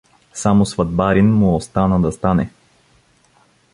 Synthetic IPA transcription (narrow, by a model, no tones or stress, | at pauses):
samosvɐd̪̚baɾinmʊost̪anəd̪ɐst̪anɛ